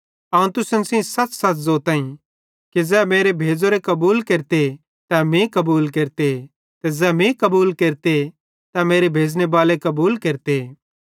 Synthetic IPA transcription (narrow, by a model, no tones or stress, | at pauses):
ɐũt̪ʊsənsĩsɐt͡ʃsɐtzoːt̪ãːĩ | kid͡zɛːmeːɾebʱeːd͡zoɾekɐbuːlkeɾt̪e | t̪amẽkɐbuːlkeːɾt̪e | t̪ɛd͡zɛːmẽkɐbuːlkeːɾt̪e | t̪ameːɾebʱeːd͡znebaːlekɐbuːlkeːɾt̪e